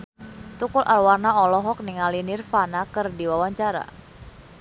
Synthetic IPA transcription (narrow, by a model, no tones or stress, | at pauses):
t̪ukʊlʔarwarnaɔlɔɦɔk̚niŋalinɪrfanakɨrdiwawaɲt͡ʃaɾa̰